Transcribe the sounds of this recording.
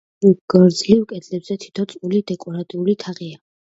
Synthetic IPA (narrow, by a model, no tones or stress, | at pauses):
ɡ̥ɾd̪zlivkʼɛd̪lɛbzɛt̪ʰi̥t̪ʰɔt̪sʼulid̪ɛkʼɔɾat̪ʼiulit̪ʰaʁia